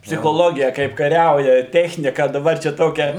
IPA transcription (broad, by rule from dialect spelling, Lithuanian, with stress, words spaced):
pʲsʲɪxoːˈlˠoːɡʲɪjɛ kɐɪp kɐˈrʲɛʊjɛ ˈtʲæːxʲnʲɪkɐ dɐˈbɐr ˈt͡ʃʲɛ ˈtoːkʲɛ